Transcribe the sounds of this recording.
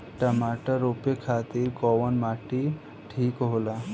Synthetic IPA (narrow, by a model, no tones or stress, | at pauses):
tamaʈəɾopekʰat̪iːɾkɔʋənmaʈi | ʈʰiːkɦola